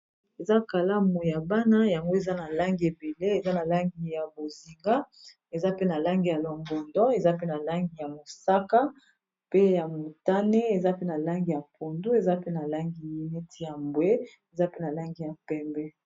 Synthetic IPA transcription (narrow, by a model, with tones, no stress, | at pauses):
e˨za˦ka˨la˦mu˨ja˨ba˦na˦ja˨ŋɡo˦e˨za˦na˨la˦ŋɡi˨e˨be˨le˦e˨za˦na˨la˦ŋɡi˨ja˨bo˨zi˨ŋɡa˦ | e˨za˦pe˦na˨la˦ŋɡi˨ja˨lɔ˨ŋɡɔ˨ndɔ˦e˨za˦pe˦na˨la˦ŋɡi˨ja˨mo˨sa˦ka˦ | pe˦ja˨mo˨ta˦ne˦e˨za˦pe˦na˨la˦ŋɡi˨ja˨pʰo˨ndu˦e˨za˦pe˦na˨la˦ŋɡi˨mi˨nɛ˦tʰi˨ja˨mbwe˦ | e˨za˦pe˦na˨la˦ŋɡi˨ja˨pɛ˦mbɛ˦